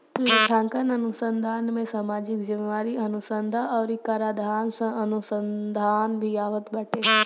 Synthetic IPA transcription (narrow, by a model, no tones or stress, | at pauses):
t̪iɾʈ̪ʰãːŋkənɐnʊsə̃nd̪ʱaːnmẽsaːmaːd͡ʒɪkd͡ʒɪmeʋaːɾiɐnusənd̪ʱaɔːɾikaːɾaːd̪ʱaːnsãʔɐnusənd̪ʱaːnbʱiaːʋət̪bɐʈʰeɦ